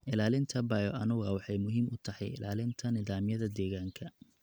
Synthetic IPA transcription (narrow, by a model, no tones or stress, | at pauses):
ʔɪlaːlɪnt̪ʰɐbɐjɔʔɐnʊɣɐwɑħɑjmʊɦiːmʔʊt̪ʰɐhɑjɪ̰lʔaːlɪnt̪ʰɐnɪðaːmjɐðɐd̪ɛːɣaːŋkʰɐ